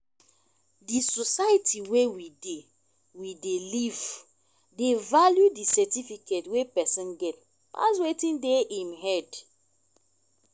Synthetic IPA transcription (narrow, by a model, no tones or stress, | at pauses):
disɔsajitʰiwewide | wideliv | devaljudisɛtifiketwepɛsɔ̃nɡɛt̚ | pa̰s̬wetĩndeimɦɛd